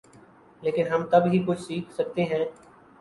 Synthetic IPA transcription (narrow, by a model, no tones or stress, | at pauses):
leːkɪnɦɐmt̪ɐbɦikʊt͡ʃʰsiːkʰsɐk̚t̪eɦɛ̃ː